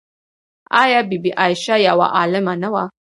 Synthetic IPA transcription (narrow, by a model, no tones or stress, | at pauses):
ʔajabibiʔajʃajawa̰ʔalɐmanɐwa